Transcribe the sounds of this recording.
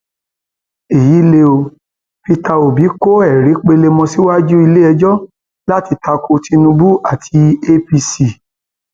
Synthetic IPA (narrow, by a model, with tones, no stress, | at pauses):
e˨ji˨˦le˧o˧ | fi˧ta˧o˨bi˨˦ko˦ɛ˦˨ɾi˨˦k͡pe˧le˧mɔ̃˧si˦wa˦d͡ʒu˦i˧le˦ɛ˧d͡ʒɔ˦ | la˦ti˧ta˧ko˧ti˧nũ˧bu˦a˦˨tʰi˧e˧pi˧si˨